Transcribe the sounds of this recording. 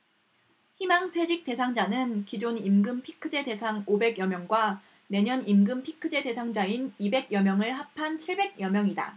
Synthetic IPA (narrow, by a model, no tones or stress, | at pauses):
çimaŋtʰwe̞d͡ʑik̚t͈e̞sʰaŋd͡ʑanɯnkid͡ʑonimɡɯmpʰi̥kʰɯd͡ʑe̞de̞sʰaŋobe̞ɡjʌmjʌŋɡwa | ne̞ɲʌnimɡɯmpʰi̥kʰɯd͡ʑe̞de̞sʰaŋd͡ʑainibe̞ɡjʌmjʌŋɯɭɦapʰant͡ɕʰiɭbe̞ɡ̚jʌmjʌŋida̰